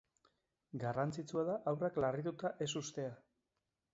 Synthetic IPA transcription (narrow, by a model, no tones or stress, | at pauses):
ɡarant͡sit͡suaðaʔawraklariðut̪aʔe̞s̬ust̪e̞a